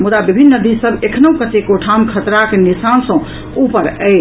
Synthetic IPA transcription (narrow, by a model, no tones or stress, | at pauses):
mud̪abibʱinːəd̪isəbekʰnəukət̪ekoʈʰamkʰət̪ɾakenisansə̃ | upəɾəɪ